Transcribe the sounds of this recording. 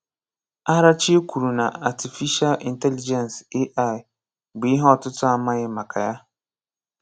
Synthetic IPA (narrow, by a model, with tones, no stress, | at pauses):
a˦ɾa˦t͡ʃi˦e˦kʷu˨ɾu˨na̰˨a˨ti˨fi˦ʃa˦lḭ˨nte˦li˦d͡ʒɛ˨n˨se˦ʔa˦˨ɪ˨ | ɡ͡bi˨˦ɦɔ˦˨tʊ˦tʊ˦a˦ma˦ɣɪ˦ma˨kʰa˨ja˦